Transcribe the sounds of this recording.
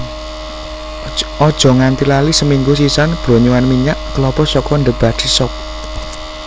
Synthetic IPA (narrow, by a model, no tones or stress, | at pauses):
ɔd̥ʒ̥ɔ̤ŋant̪ilalisəmiŋɡusisanb̥ɾɔɲuwanmiɲaʔkəlɔpɔsɔkɔnd̪əb̥ad̥isɔp̚